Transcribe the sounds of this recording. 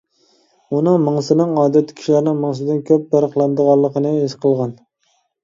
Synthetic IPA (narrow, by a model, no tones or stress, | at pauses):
unɨŋmɨŋsɨnɨŋɑːd̪ɛt̪ʰːkʲʰi̥ʃilæɾnɪŋmɨŋs̬ɨd̪ɪnkʲʰøp̚bæɾəχlˠɑnd̪əʁɑlˠːəqʰənɨesqʰəlˠʁɑn